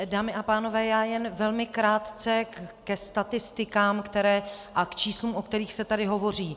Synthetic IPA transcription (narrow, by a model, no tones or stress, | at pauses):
daːmɪʔapaːno̞vɛːjaːjɛnvɛlmɪkɾaːt̪t͡sɛkɛst̪at̪ɪst̪ɪkaːmkt̪ɛɾɛː | ʔakt͡ʃiːsluːmʔok̚t̪ɛɾiːxsɛt̪adɪɦo̞vo̞r̝iː